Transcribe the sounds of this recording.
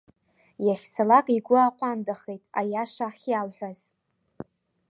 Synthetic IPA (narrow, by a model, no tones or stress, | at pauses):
jaχʲsʰalakʼiɡʷʊaqʷʼandaχejtʼa̰jaʂaχʲjalħʷᶣaz̥